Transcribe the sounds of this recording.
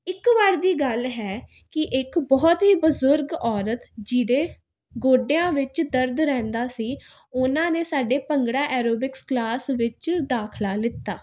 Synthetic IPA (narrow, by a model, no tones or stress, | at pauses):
ɪkʋaɾd̪iːɡəlɦɛː | kɪʔɪkbɔːt̪ɦiːbəzʊɾɡɔːɾət̪d͡ʒiːd̪eː | ɡoːɖejãːʋɪt͡ʃd̪əɾd̪ɾɛ̃ːnd̪aːsiː | ʊnãːneːsaːɖeːpəŋɡɽaːʔɛːɾoːbɪksklaːsʋɪt͡ʃd̪aːkʰlaːlɪt̪ːaː